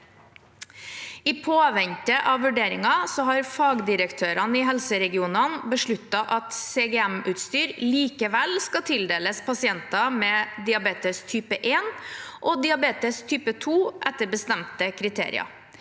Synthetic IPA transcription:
ɪpʰoːʋɛnt̪əʔɑʋʋʉɖeːɾɪŋɑsɔɦɑɾfɑːɡd̪ɪɾəkt̪ʰøːɾɑnɪɦɛlsəɾɛɡɪuːnənbəʂɭʉt̪ːɑʔɑt̪seːɡɛæmʉːt̪st̪yːɾliːkəʋɛlskɑt̪ʰɪld̪eːləspʰɑsɪɛnt̪ɑmɛd̪ɪɑbeːt̪əst̪ʰyːpəʔeːnʔɔd̪ɪɑbeːt̪əst̪ʰyːpət̪ʰuːʔɛt̪ːəɾbəst̪ɛmt̪əkʰɾɪt̪ʰḛːɾɪ̰ɑ̰

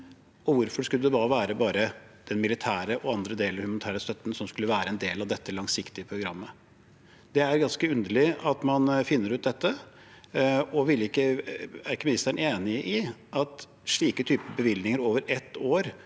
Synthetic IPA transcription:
ɔʋʊɾfɔɾʂkʉlːəd̪ɛbɑːʋæːɾəbɑːɾə | d̪̥ɛnmɪlɪt̪ʰæːɾəʔɔɑnd̪ɾəd̪eːləɑhʉmɑnɪt̪ʰæːɾəst̪œt̪ːənsɔmskʉlːəʋæːɾəɛnd̪eːlɑʋd̪ɛt̪ːəlɑŋsɪkt̪ɪəpʰɾʊɡɾɑmːə | d̪̥ɛæɾɡɑnskəʉnd̪əɭɪɑt̪mɑnfɪnːəɾʉːt̪̚d̪ɛt̪ːə | ɔʋɪlːəɪkːəæɪkːəmɪnɪst̪æɳeːnɪəʔɪʔɑt̪ | ʂɭiːkət̪ʰyːpəbəʋɪlnɪŋəɾoːʋəɾʔɛt̪ːoːɾ

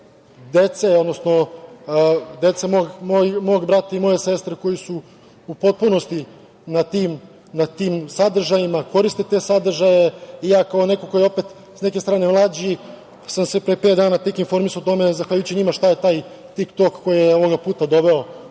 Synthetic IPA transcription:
d̪e̞t̪se̞od̪no̞sno | d̪e̞t̪semoɡmojmo̞ɡbɾat̪aimo̞jese̞st̪ɾeko̞jisu | upo̞t̪̚punost̪i | nat̪iːm | nat̪iːmsad̪r̩ʒajimako̞ɾist̪it̪e̞ːsad̪r̩ʒajeijaːkaone̞ko̞kojeo̞pet̪ | sne̞kest̪ɾaːne̞mlˠaːd͡ʑi | samsepɾepet̪d̪aːnat̪ekinfo̞ɾmisaot̪o̞me̞zaxʋaʎujut͡ɕeɲimaʃt̪ajet̪aːj | t̪ikt̪o̞kkːo̞jijeo̞ʋoɡapuːt̪ad̪o̞ʋe̞o

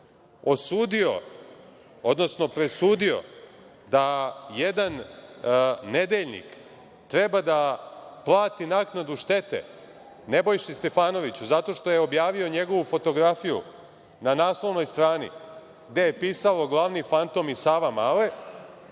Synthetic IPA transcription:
osuːd̪io̞̰ | od̪nosno̞pɾe̞suːd̪io̞̰ | d̪ajed̪an | ed̪eʎnḭk | t̪ɾe̞bad̪aplˠaːt̪inaknad̪uʃt̪e̞t̪ḛ | ne̞bo̞jʃist̪efaːno̞ʋit͡ɕuzat̪o̞ːʃt̪o̞je̞o̞bjaːʋio̞ɲe̞ɡo̞ʋufo̞t̪o̞ɡɾafijṵ | nanaːslˠo̞ʋno̞jst̪ɾaːnḭ | ɡd̪e̞jepiːsalo̞ɡlˠaʋnifant̪o̞misaːʋamale

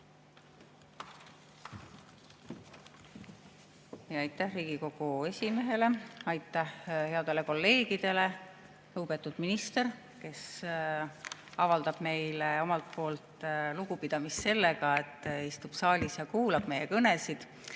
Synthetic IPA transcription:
jɑɑjt̪ˑːæhriːɡ̥iko̞ɡ̥ue̞sʲime̞ɦe̞le̞ɑjt̪ːˑæhhe̞ɑd̪̥e̞le̞ko̞lːe̞ːɡ̥id̪̥e̞le̞ | hɤub̥e̞t̪ːˑud̪̥minist̪e̞r | ke̞s | ɑvɑld̪ɑb̥me̞jleo̞mɑlt̪̚po̞ːlt̪ˑluɡupid̪̥ɑmist̪se̞lːeɡɑet̪ːˑist̪ub̥sɑːlʲisjɑkuːlɑb̥me̞jekɤnesid̪̥

